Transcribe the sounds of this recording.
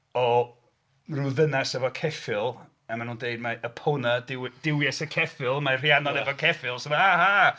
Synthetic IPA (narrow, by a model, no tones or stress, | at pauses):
ɔ | ruðənasɛvɔkʰɛfɪlˠ | amanuːndeɨdmaəpʰonadɪwd̥ɪwjɛsəkʰɛfɪlˠmar̥ianɔdɛvɔkʰɛfɪlˠsɔmaha